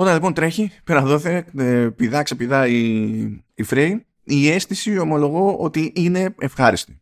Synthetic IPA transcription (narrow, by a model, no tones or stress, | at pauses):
o̞t̪ɐnlipo̞nt̪ɾe̞çipeɾɐðoθeepiðɐksepiðɐi | ifɾej | ie̞st̪isiomo̞lo̞ɣo̞ot̪iʔine̞efxɐɾist̪i̥